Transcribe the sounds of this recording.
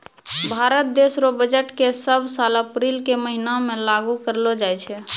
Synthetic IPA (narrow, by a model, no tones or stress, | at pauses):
bʱaɾət̪̚d̪esɾobəd͡ʒəʈkesəbʱsaləpɾilkeməɦinamẽlaɡukəɾlod͡ʒajt͡ʃʰɛ